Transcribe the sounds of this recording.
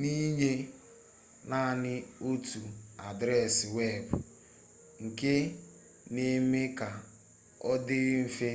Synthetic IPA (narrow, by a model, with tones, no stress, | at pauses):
ni˦ɲe˦ | na˦˨nɪ˦o˦tu˨a˨dɾɛ˦˨sɪ˨we˦˨bʊ˨ | ŋ̩˨ke˦ | ne˦me˦ka˨ | ɔ˦dɪ˦m̩˦fe˦